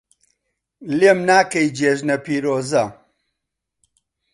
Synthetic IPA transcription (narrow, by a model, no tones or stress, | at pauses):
lemnaːkɐjd͡ʒeːʒnɐpʰiːɾoːzɐ